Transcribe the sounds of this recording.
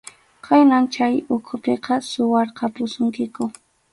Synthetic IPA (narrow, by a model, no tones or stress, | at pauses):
kʰajnant͡ʃajʊkʰʊpeqɑsʊwɑɾqɑpʊsʊŋkɪkʊ